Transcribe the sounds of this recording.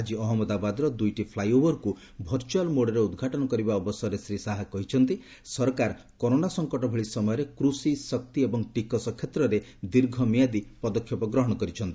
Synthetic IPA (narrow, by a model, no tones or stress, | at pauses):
ad͡ʒiɔɦɔmɔd̪abad̪ɔɾɔd̪ujʈipʰlajobɔɾku | bʱɔɾt͡ʃualmoɽɔɾeud̪ɡʱaʈɔnɔkɔɾibaɔbɔsɔɾesɾisaɦakɔɦit͡ʃʰɔnt̪i | sɔɾkaɾ | kɔɾonasɔŋkɔʈɔbʱeɭisɔmɔjɔɾekɾusisɔk̚t̪iebɔŋʈikɔsɔkʰjet̪ɾɔɾed̪iɾɡʱɔmijad̪ipɔd̪ɔkʰjɔpɔɡɾɔɦɔɽ̃ɔkɔɾit͡ʃʰɔnt̪i